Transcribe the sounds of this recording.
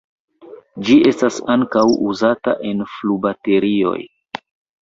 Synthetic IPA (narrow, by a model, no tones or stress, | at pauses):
d͡ʒie̞stasaŋkawuzata̰ʔe̞nflubate̞ɾio̞̰j